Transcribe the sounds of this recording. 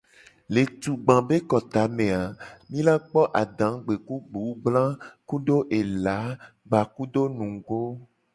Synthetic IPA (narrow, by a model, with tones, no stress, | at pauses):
le˨t̪u˨ɡ͡bã˨be˦kɔ˨t̪a˨˦mẽ˨a˨mĩ˦la˦k͡pɔ˦ʔa˨ɖã˨˦ɡ͡be˨ku˦ɡ͡bu˨˦ɡ͡blã˦ku˦ɖo˦ʔe˨la˨˦ | ɡ͡ba˨ku˦ɖo˦nũ˨ɡo˦